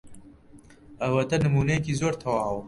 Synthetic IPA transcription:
ɐwɐt̪ɐnɨmuːnɐjekiːzoːɾt̪ʰɐwaːw

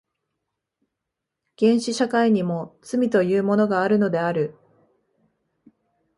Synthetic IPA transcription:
ɡ̥ẽ̞ɰ̃ɕiɕakaiɲ̟imo̞t͡sɨmʲit̪o̞jɯːmo̞no̞ɡaːɾɯ̟no̞d̪e̞aɾɯ̟

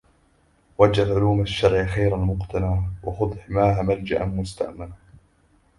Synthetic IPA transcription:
wad͡ʒalʕʊluːmaʃːɑɾʕxajɾalmʊqt̪anaːwʔɑxʊd̪ˤħmaːɦamald͡ʒaʔanmʊst̪a̰ʔmana

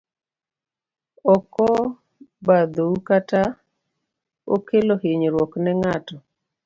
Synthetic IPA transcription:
ɔkɔ | bad̪oukata | o̰kelohɪɲɾwɔknɛŋatɔ

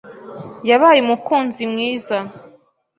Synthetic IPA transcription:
jaβaːjemukuːnzimŋiːza

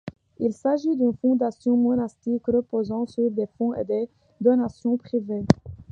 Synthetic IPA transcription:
ilsaʒid̪ynfɔ̃d̪asjɔ̃mɔnast̪ikʁəpozɑ̃syʁd̪efɔ̃ḛd̪e | d̪ɔnasjɔ̃pχive

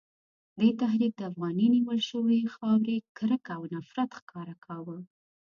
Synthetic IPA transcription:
d̪et̪aɦd̪id̪̚d̪əafɣɑniniwəlʃəwexɑwɾekɾəkawnafɾat̪xkʰɑɾakʰɑwə

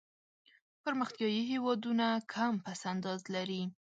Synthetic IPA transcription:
pəɾməxt̪jɑjiɦewɑd̪unakʰampasand̪ɑzlaɾi

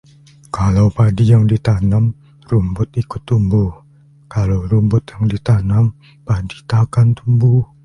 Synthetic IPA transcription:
kalawpadijaŋdit̪anam | rumbʊt̪̚ʔikʊt̪ːumbuh | kalawɾumbʊt̪̚jaŋdit̪anam | padit̪akant̪umbuh

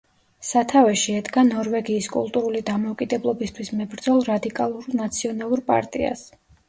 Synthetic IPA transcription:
sat̪ʰavɛʃiɛd̪ɡanɔɾvɛɡiːskʼṵlˠt̪ʼuɾulid̪amɔːkʼid̪ɛblˠɔbist̪ʰwismɛbɾd̪zɔlˠɾad̪ikʼalˠuɾnat̪sʰiɔnalˠuɾpʼa̰ɾt̪ʼḭa̰s

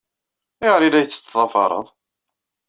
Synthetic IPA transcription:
iʁəɾilːæjθə̥t͡s̪ːðˤɑfɑ̰ɾˤə̰ðˤ

